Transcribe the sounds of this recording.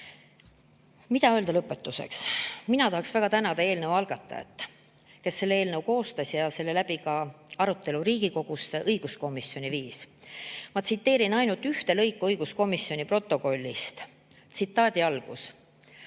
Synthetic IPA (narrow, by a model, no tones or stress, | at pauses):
mit̪ɑø̞ːld̪ɑlɤpːˑe̞t̪ːuse̞̰ksminɑt̪ɑhɑksvæɡ̥ɑt̪ænɑd̪ɑe̞ːlnəwɑlɡ̥ɑt̪ˑːɑ̰ḛt̪ːˑ | ke̞sːe̞lːee̞ːlnəwko̞ːst̪ɑsjɑse̞lːe̞læbikɑɑɾut̪ːˑe̞luɾiːɡ̥iko̞ɡ̥useʔɤjɡ̥usko̞misːjo̞niviːs | mɑt̪sit̪ːe̞ːɾinɑjnult̪yht̪e̞lɤjkːˑuɤjɡ̥usko̞misːjo̞nʲipro̞t̪ˑːo̞ko̞lʲːist̪ | t̪sit̪ːˑɑːd̪̥ʲiɑlɡ̥us